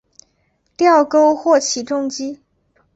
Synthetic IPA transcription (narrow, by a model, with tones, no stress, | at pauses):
t̪jɑ˥˩ʊko˥ʊxwɔ˥˩t͡ɕʰi˨˩ʈ͡ʂʊ˥˧ŋt͡ɕi˥